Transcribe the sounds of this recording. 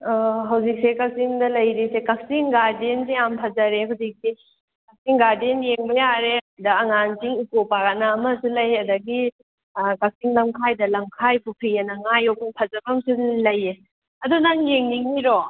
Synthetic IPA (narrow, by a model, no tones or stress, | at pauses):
ɦɐwzik̚sekak̚siŋdɐlɐjɾisekak̚siŋɡaɾdensiampʰazɐɾeɦawzik̚se | kak̚siŋɡaɾdenjeŋbɐjaɾedɐɐŋansiŋikopaɡanaːmɐsulɐjɐdɐɡi | kak̚siŋlɐmkʰajdɐlɐmkʰajpʰupʰijanɐŋajɔkaŋpʰɐzɐbɐmsulɐje | ɐdunaŋjeŋniŋːiɾɔ